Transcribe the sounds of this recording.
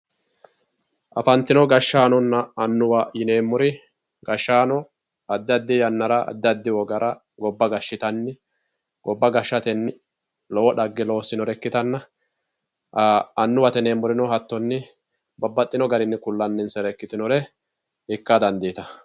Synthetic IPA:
ʔɐ̰fɐnt̪ːɪnɔɡɐʃːaːnɔnːɐːnːʊwajɪne̞ːmːʊɾɪ | ɡɐʃːaːnɔ | ɐd̪ːɪɐd̪ːɪjɐnːɐɾɐɐ̰d̪ːɪɐd̪ːɪwɔɡɐɾʔɐ | ɡɔbːɐɡɐʃːɪt̪ɐnːɪ | ɡ̥ɔbːɐɡɐʃːɐt̪ɛnːɪ | lɔwɔᶑɐɡːɪloːsɪnɔɾɛkːɪt̪ɐnːɐ | ɐnːʊwɐt̪ɛneːmːʊɾɪnɔɦɐt̪ːɔnːɪ | bɐbːɐt̪ʼːɪnɔɡɐɾɪnːɪkʊlːɐnːɪnsɛɾɛkːɪt̪ɪnɔɾɛ | hɪkːɐd̪ɐnd̪iːt̪ɐ

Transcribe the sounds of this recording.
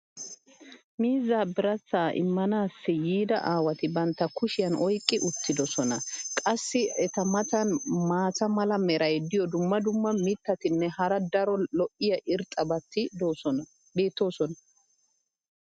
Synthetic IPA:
miːzːaːbɪɾɐt͡sːaːʔɪ̰mːɐnaːsːɪjiːd̪ɐ̰ʔaːwɐt̪ɪbɐnt̪ːɐkʊʃɪjɐnʔɔjkʼːɪʔʊt̪ːɪd̪ɔsɔnɐkʼɐsːɪɛt̪ɐmɐt̪ɐnmaːt͡sɐmɐlɐmɛɾʔɐjd̪ɪjɔd̪ʊmːɐd̪ʊmːɐmɪt̪ːɐt̪ɪnːɛhɐɾɐd̪ɐɾɔlɔʔɪjɐʔɪɾt̪ʼɐbɐt̪ːɪd̪oːɔ | be̞ːt̪ːo̞ːsɔnɐ

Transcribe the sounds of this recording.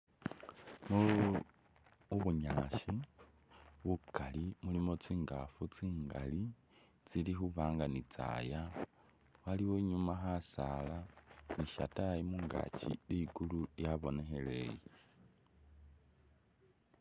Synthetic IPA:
mu | uβuɲaʃi | βukalimulimo̞t͡siːŋɡafut͡siːŋɡa̰li | t͡silixuβaːŋɡanit͡sa̰ja | waliwo̞ɲumaxasalaniʃa̰tajimuːŋɡa̰t͡ʃḭliɡulujaβo̞ne̞xe̞le̞̰je

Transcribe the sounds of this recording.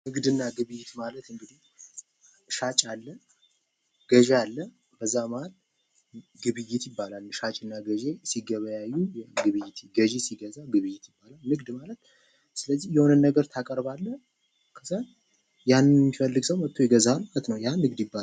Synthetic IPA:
nɨɡd̪ɨnːaɡɨβɨjːɪt̪malət̪ɨŋɡɨd̪ih | ʃat͡ʃʼalːə | ɡ̥əʒealːə | b̥əzːamaal | ɡɨβɨjɪt̪jɪbːalalʃat͡ʃʼɨnːaɡəʒesiɡəβəjajːujɛɡɨβɨjːɪt̪ɡəʒesiɡəzaɡɨβɨjːɪt̪jɪbːalalnɨɡd̪malət̪ | sɨləzːihjɛhonɨnːəɡəɾt̪ʰakʼəɾbalːə | kʰəsən | janːmːifəlːɨɡsəwmət̪ʰːo̞jɛɡəzalmalət̪nəwjanɨɡd̪jɪbːa

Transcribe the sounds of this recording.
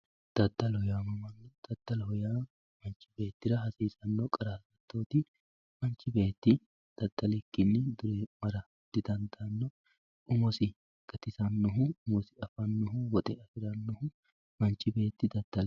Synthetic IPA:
d̪̥ɐd̪ːɐlhɔjaːmɐmɐnːɛd̪̥ɐd̪̥ːɐlhɔjaː | mɐnt͡ʃːɪbe̞ːt̪ːɪɾɐɦɐsiːsɐnːɔkʼɐɾaːsɐt̪ːo̞ːt̪ɪ | mɐnt͡ʃːɪbe̞ːt̪ːɪ | d̪̥ɐd̪ːɐlɪkːɪnːɪd̪ʊɾɛmɐɾɐ | d̪̥ɪd̪ɐnd̪ɐnːɔ | ʊmɔsɪ | ɡ̥ɐt̪ɪsɐnːɔɦʊʊmɔsɪɐfɐnːɔɦʊwɔt̪ʼɛɐfɪɾɐnːɔhʊ | mɐnt͡ʃːɪbe̞ːt̪ːɪd̪ɐd̪̥ːɐl

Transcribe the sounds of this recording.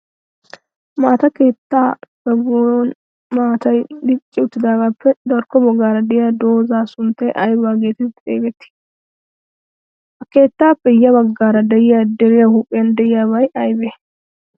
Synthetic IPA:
maːt̪ɐke̞ːt̪ːaːb̥ɐɡojɔn | maːt̪ɐjd̪ɪt͡ʃʼːɪʊt̪ːɪd̪aːɡaːpʰːɛd̪ɐɾkːɔbɐɡːaːɾɐd̪ɪjad̪o̞ːzaːsʊnt̪ːɛjʔɐjbaːɡe̞ːt̪ɪḛːɡɛt̪ːɪ̥ | hɐke̞ːt̪ːaːpːɛjɐbɐɡːaːɾɐd̪ɛjɪjad̪ɛɾɪjahupʼːɪjɐnd̪ɛjɪjaːβɐjɐjbeː

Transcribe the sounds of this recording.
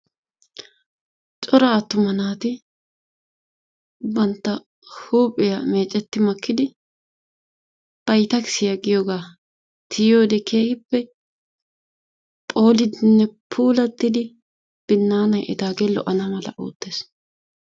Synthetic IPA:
t͡ʃʼɔɾɐːt̪ːʊmɐnaːt̪ɪ | bɐnt̪ːɐ | huːpʼːɪjɐme̞ːt͡ʃʼːɛt̪ːɪmɐkːɪd̪ɪ | b̥ɐjt̪ɐkɪsɪjɐɡɪjoːɡaː | t̪ʰɪjjo̞ːd̪ɛkʰeːhɪpːɛ | pʼo̞ːlɪd̪ɪnːɛpʰuːlɐt̪ːɪd̪ɪ | b̥ɪnːaːnɐjʔɪ̰t̪aːɡeːlɔ̰ʔɐnɐmɐlɐ̰ʔo̰ːt̪ːe̞ːs

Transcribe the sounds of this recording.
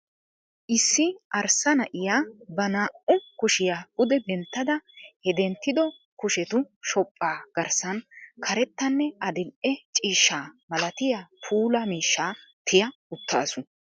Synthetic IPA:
ʔɪsːɪʔɐɾsɐnɐʔɪjaːbɐnaːʔʊkʊʃɪjaːɡʊd̪ɛbɛnt̪ːɐd̪ɐhɛd̪ɛnt̪ːɪd̪ɔ | kʊʃɛt̪ʊʃɔpʼːaːɡ̥ɐɾsɐnkʰɐɾɛt̪ːɐnːɛɐd̪ɪnʔɛt͡ʃʼiːʃːaːmɐlɐt̪ɪjapʰuːlɐmiːʃːaːt̪ʰɪjɐʊt̪ːa̰ːsʊ

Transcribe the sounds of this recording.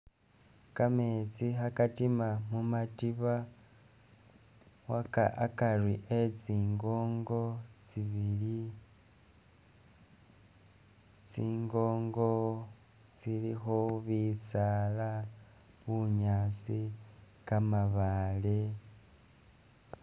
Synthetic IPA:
kamet͡sixakatimamumatiβa | waka̰ʔakarwiʔet͡siːŋɡo̞ːŋɡo̞t͡siβili | t͡siːŋɡo̞ːŋɡo̞ | t͡silixoβisala | βuɲaːt͡si | kamaβale

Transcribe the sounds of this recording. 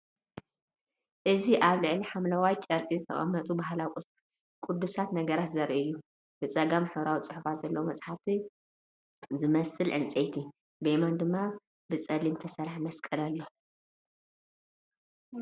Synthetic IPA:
ʔɨziʔaβlɨʕliħamlɐwajt͡ʃʼɐɾk̪ʼizɨt̪ʰɐχʼɐ̰mːɐt̪ʼubaɦlawkʷʼus | kʼud̪ːusat̪nɐɡɐɾat̪zɐɾʔɨjːu | b̥ɨt͡sʼɐɡamħɨβɾawit͡sʼɨħufat̪zɐlːɐwomɐt͡sʼħaft̪ʰi | zɨmɐsɨlʕɨ̰nt͡sʼejt̪ʰi | bemand̪ɨmːa | bɨt͡sʼɐlimt̪ʰɐsɐɾħmɐskʼɐlalːo

